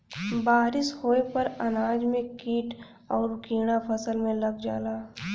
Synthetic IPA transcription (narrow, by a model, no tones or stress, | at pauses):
baːɾɪshoːepɐɾɐnaːd͡ʒmẽkiːʈ | ɔːɾkiːɽ̃apʰɐsəlmẽlɐɡd͡ʒa̰ːlaː